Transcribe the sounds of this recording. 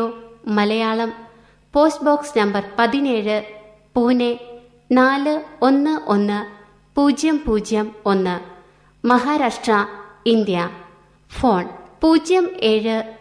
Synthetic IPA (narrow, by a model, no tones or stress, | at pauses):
oːmɐlɐjaːɭɐm | po̞ːsboːksnɐmbɐrpɐðine̞ːɻɨ | puːne | naːlɨo̞nːɨʔo̞nːɨ | puːd͡ʑjɐmpuːd͡ʑjɐmo̞nːɨ | mɐɦaːɾaːʂʈrɐind̪jɐ | fo̞ːɳpuːd͡ʑjɐme̞ːɻɨ